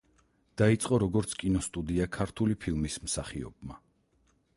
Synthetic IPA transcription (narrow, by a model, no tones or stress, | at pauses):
d̪̥ait̪sʼqʼɔɾɔɡɔɾt̪sʰkʼinɔst̪ʼud̪iakʰaɾt̪ʰulipʰilˠmismsaχiɔ̰bma